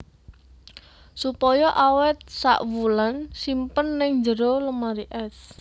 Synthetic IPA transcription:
supɔjɔʔawɛt̪̚sa̰ʔwulansimpənːɪŋd͡ʒəɾoləmaɾiʔɛs

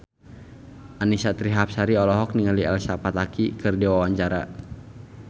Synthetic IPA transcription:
ʔanisat̪ɾiɦapsaɾiɔlɔɦɔk̚niŋaliɛlsapat̪akikɨrdiwawaɲt͡ʃaɾa

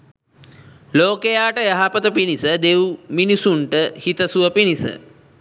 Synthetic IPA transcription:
loːkejaːʈəjaɦapət̪əpinisəd̪ewuminisuɳʈəhit̪əsuʋəpinisə̰

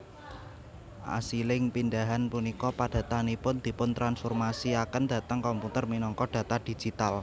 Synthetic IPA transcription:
ʔa̰silɪŋpindaɦanpunikɔpad̥ä̤t̪anipʊnd̪̥i̤pʊnt̪ɾansfɔrmasiakənd̪̥ä̤t̪əŋkɔmput̪ərminɔŋkɔd̥ä̤t̪ad̥i̤̥d͡ʒ̥it̪al

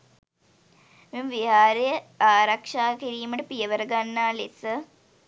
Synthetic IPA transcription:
memʋiɦaːɾejəaːɾakʂaːkiɾiːməʈəpijəʋəɾəɡanːaːlesə

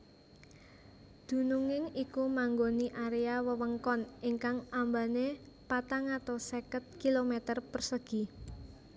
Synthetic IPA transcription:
d̪̥ṳnuŋɪŋikumaŋɡoniʔaɾeawəwəŋkɔniŋkaŋʔambane | pat̪aŋat̪asekət̪̚kilomet̪ərpərsəɡ̥i̤

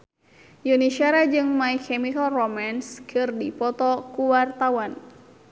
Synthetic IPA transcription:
juniʃaɾad͡ʒɨŋmaikʰɛmikalrɔmanskʰɨrdipɔt̪ɔkuwart̪awan

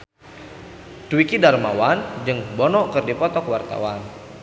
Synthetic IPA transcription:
t̪wikidarmawand͡ʒɨŋbɔnɔʔkɨrdipɔt̪ɔkwart̪a̰wan

